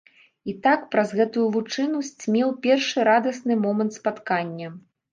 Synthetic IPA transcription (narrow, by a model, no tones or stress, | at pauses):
it̪akpɾɐzɣɛt̪ujuvut͡ʂɨnusʲt͡sʲmʲɛwpʲɛrʂɨɾad̪ɐsnɨmɔmɐnt̪spat̪kanʲːɐ